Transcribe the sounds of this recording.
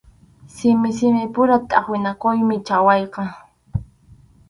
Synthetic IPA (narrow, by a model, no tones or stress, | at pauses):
sɪmɪsɪmɪpʊɾat̪ʼɑχwɪnakʊjmɪt͡ʃawɑjqɑ